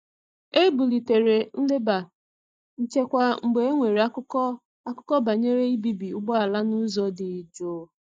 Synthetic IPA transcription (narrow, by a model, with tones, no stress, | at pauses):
e˦bu˨li˨te˨ɾe˨n̩˦le˦ba˨ | n̩˨t͡ʃe˦kʷa˨ŋ͡m̩˨ɡ͡be˨e˦ŋʷe˨ɾe˨˦ | a˦kʊ˦kɔ˦ba˨ɲe˦ɾe˦i˦bi˦bi˨ʊ˦ɡ͡bɔ˦a˨la˦nu˦zɔ˨dɪ˨d͡ʒo˦